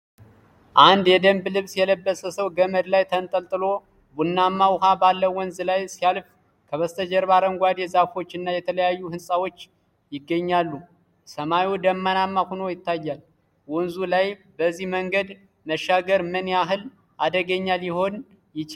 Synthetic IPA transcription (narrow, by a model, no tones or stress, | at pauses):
ʔand̪jɛd̪əmblɨβsjɛləbːəsəsəwɡəməd̪lajt̪ʰənt̪ʼəlt̪ʼɨlo̞ | bunːamːawʊɦabalːəwɔnzlajsijalf | kʰəβəst̪ʰəd͡ʒəɾbaɾəŋɡʷad̪jɛzafo̞t͡ʃːɨnːajɛt̪ʰələjajːuhɨnsʼawo̞t͡ʃː | jɪɡːəɲːalːu | səmajud̪əmːanamːahuno̞jɪt̪ːajːal | wɔnzulaj | bəzːihməŋɡəd̪ | məʃːaɡəɾmɨnjaɦɨl | ʔad̪əɡəɲːaljɪho̞n | jɪt͡ʃ